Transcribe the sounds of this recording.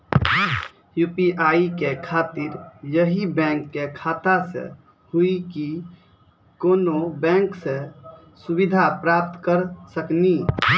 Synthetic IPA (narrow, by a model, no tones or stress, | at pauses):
jupiʔaikekʰaːt̪iɾjəɦibɛ̃ŋkːekʰaːt̪asḛ | huiki | koːnobɛ̃ŋksẽ | subid̪ʱapɾap̚t̪kəɾsəkni